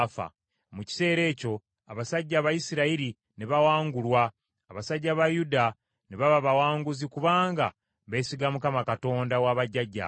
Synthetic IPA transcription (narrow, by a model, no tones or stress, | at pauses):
fa̰ | muci̥se̞ːɾe̞ːco̞ | aβasaɟːaβajisiɾaiɾi | neβawaːŋɡulwaː | βasaɟːaβajuda | neβaβaβawaːŋɡuzikuβaːŋɡa̰ | βe̞ːsiɡamukamakato̞ːndawaβaɟːaɟːa̰